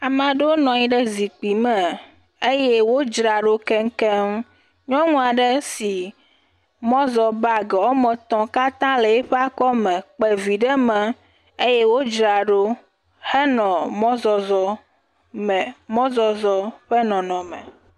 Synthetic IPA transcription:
a˨mã˨ɖe˦o˦nɔ̃˨ɲĩ˦ɖɛ˦zi˨k͡pi˨mɛ˨ | e˦je˦wo˦d͡ʒɾa˨ɖo˦kɛ˦ŋ̩˦kɛ˦m˦ | ɲɔ̃˦ŋũ˦a˨ɖɛ˦si˨ | mɔ̃˦zɔ˨ba˨ɡɛ˨wɔ˦mɛ̃˨t̪ɔ̃˦ka˦t̪ã˦le˨ɛ˦ɸe˦a˦kɔ˦mɛ̃˨k͡pɛ˨vi˨ɖɛ˦mɛ̃˨ | e˦je˦wo˦d͡ʒɾa˨ɖo˦ | hɛ˦nɔ̃˨mɔ̃˦zɔ˨zɔ˦ | mɛ˨mɔ̃˦zɔ˨zɔ˦ɸe˦nɔ̃˨nɔ̃˨mɛ̰̃˨

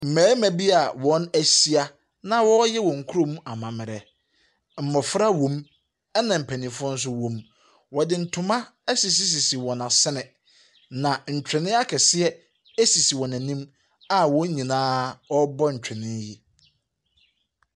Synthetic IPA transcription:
m̩˨mæː˨˦mæ̃˨bi˦a˨wɔ̃˨˦næ˦si˦a˦ | nã˦wɔ˦jɛ˦wɔ̃˨ŋ̩˨kʰu˦ɾo˦mũ˦ʔa˨mã˨mɪ˨ɾɛ˨ | m̩˨mɔ˨fɾa˦wõ˨m | ɛ˦nã˨m̩˨pʰæ˨nĩ˨fʊ˦ɔ˦n̩˦s̬ʊ˦wɔ̃˨m | wɔ˨dɪ˨n̩˨˦tʰʊ̃˨mã˦ɛ˦si˨s̬i˦s̬i˨si˨wɔ̃˨nã˨sɪ˦nɪ̃˨ | nã˨ɲ̩˨t͡ɕᶣɪ̃˨nɪ̃˦a˦kʰɛ˨sɪ˦ɛ˦ | e˦si˨si˨wɔ̃˨nã˨nĩ˦m | a˨wɔ̃˦ɲĩ˨nãː˦ɔ˦bɔ˦ɲ̩˨t͡ɕᶣɪ˨nɪ̃˦ɲ˦ji˦

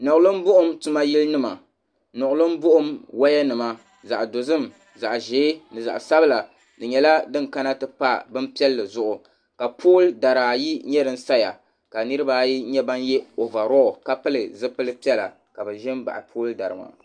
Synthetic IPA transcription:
nɔ˨ʔʊ˨lɨ˦m˦bʊ˦ʔʊ˦mtu˦ma˦ji˦lnɨ˦ma˨ | nɔ˨ʔʊ˨lɨ˦mbʊ˦ʔʊ˦mwa˦jɛ˦nɨ˨ma˦ | za˨ʔdo˨zɨ˦m | za˨ʔʒeː˨˦nɨ˨za̰˨ʔsa˦bɨ˦la˨ | dɨ˨ɲɛ˨la˦dɨ˦ŋka˦na˦tɨ˦pa˦bɨ˦mpi˦ɛ˦lːɨ˨zʊ˦ʔʊ˨ | ka˨pʰoː˦lda˨ɾaː˨ji˦ɲɛ˦dɨ˦n˦sa˦ja̰˨ | ka˨nɨ˦ɾɨ˦ba˦ji˦ɲɛ˦ba˦njɛ˦o˨va˨ɾɔ˦˨ka˦pɨ˦lɨ˨zɨ˦pɨ˦lɨ˦pi˦ɛ˦la̰˨ | ka˨bɨ˨ʒɪ˦mba̰˨ʔɪ̰˨pʰoː˦lda˨ɾɨ˨ma̰˨

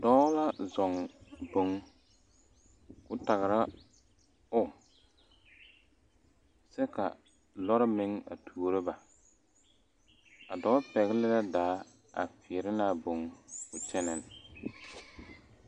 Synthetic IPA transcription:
dɔ˦la˦zɔ˨ŋbo˨ŋ | kʊ˦ta˨ɣɪ˨ɾa˦ | ʊ˦ | sɛ˦ka̰˨ | lɔ˦ɾɪ˦mɪ˦ŋa̰˨tʰuː˨ɾɨ˦ba˨ | a̰˨dɔ˨˦pɛ˨ɣɪ˦lɪ˦la˦daː˨˦ | a̰˨fɪ˨ɾɪ˦naː˦˨bo˨ŋkʊ˨t͡ʃɛ˦nɛ˨n˨

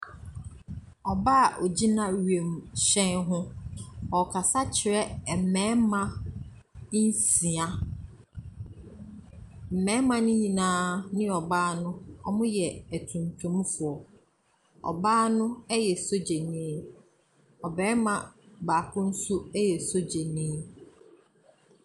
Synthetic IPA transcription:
ɔ˨ba˦˨ʔɔ˨d͡ʑi˦nã˦ɥɥe˨m˨ɕɛ̃˦nɦʊ̃˦ɔ˨kʰa˨sa˦t͡ɕʰɪ˨ɾɛ˦˨m̩˨mɛ̃ː˦mã˦ | si˨a˦ | m̩˨mɛ̃˨˦mã˨nʊ̃˦ɲĩ˨nãː˦nɪ̃˦ɔ˨baː˦nʊ̃˦ɔ̰˨mʊ̃˦jɛ˨æ˨tʰũ˨ntʰũ˨˦m˦fʊ˨ɔ˨ | ɔ̰˨baː˦nʊ̃˦ɛ˦jɛ˨so˦d͡ʑe˨nĩː˦ | ɔ˨bɛː˨˦mã˨baː˨kʰʊ̃˦n̩˦sʊ˦ɛ˦jɛ˨so˦d͡ʑe˨nĩ˦

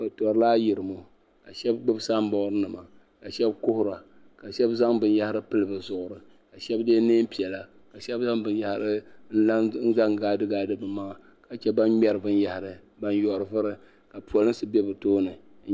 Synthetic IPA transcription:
ba˨tɔ˨ɾɨ˨laː˦ji˨ɾɨ˨mo˨ | ka˨ʃɛ˦bɡ͡bɨ˦bsa˦m˦bɔ˦ɾɨ˦nɨ˨ma˨ | ka˨ʃɛ˦bkʊ˦hʊ˦ɾa˨ | ka˨ʃɛ˦bza˦ŋbɨ˨nja˦hɪ˦ɾɨ˦pɨ˦lɨ˨bɨ˨zʊ˨ʔʊ˨ɾɨ˨ | ka˨ʃɛ˦bdeː˦ne˦m˦pi˨ɛ˨la˨ | ka˨ʃɛ˦ba˦ŋbɨ˨n˦ja˦hɾɨ˦ | n̩˦za˦ŋɡaː˦dɨ˦ɡaː˦dɨ˦bɨ˨ma˦ŋa˨ | ka˨t͡ʃɛ˦ba˦nɲɛ˦ɾɨ˨bɨ˦n˦ja˦hɪ˨ɾɨ˨ | ba˦njɔ˨ɾɨ˨vɨ˦ɾɨ˨ | ka˨pu˨ɔ˨lɨ˦n˦sɨ˦bɛ˦bɨ˨toː˦nɨ˨˦

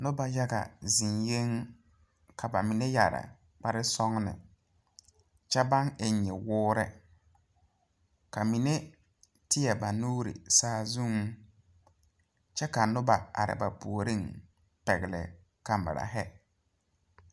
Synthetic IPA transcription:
nʊ˦ba˨ja˦ɡa̰˨zi˨nje˦ŋ | kʰa˨ba˨mi˨ne˦ja˨ɾɪ̰˨ | k͡pa˦ɾɪ˦sɔ˦ŋnɪ̰˨ | t͡ʃɛ˦ba˦ŋe˨ɲ˨e˨wʊː˦ɾɛ˦ | ka˨mi˨ne˦ | tɪ˦jɛ˨ba˨nuː˦ɾḭ˨saː˦zu˦ŋ˦ | t͡ʃɛ˦ka˨nʊ˦ba˨a̰˨ɾɪ̰˨ba˨pu˨o˨ɾi˦ŋ | pɛ˨ɣɪ˨lɪ̰˨ | ka˨mbɪ̰˨ɾa̰˨ɦɛ˦

